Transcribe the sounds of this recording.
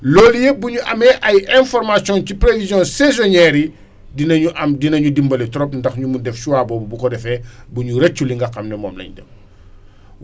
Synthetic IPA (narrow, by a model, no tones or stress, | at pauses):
lɔːljebuɲuʔɐ̰mɛʔɐjɛ̃nfɔɾmasjɔ̃ncipɾevizjɔ̃nsɛzɔnɛːɾi | dinɐɲuʔɐmdinɐɲudimbɐlɛtɔɾɔpndɐxɲumudɛft͡ʃuwabɔːbubukɔdɛfɛbuɲuɾɛt͡ʃːuliŋɡɐxɐmnɛmɔ̰mlɐ̰ɲdɛ̰f